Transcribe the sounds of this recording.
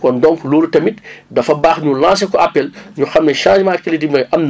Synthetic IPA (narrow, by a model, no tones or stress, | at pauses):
kɔndɔŋkluːɾtɐmit̚dɐfɐbaːxɲulãːns̬ɛkɔapːɛlɲuxɐmnɛʃãːʃmaːkɛlidimmɐjʔɐmn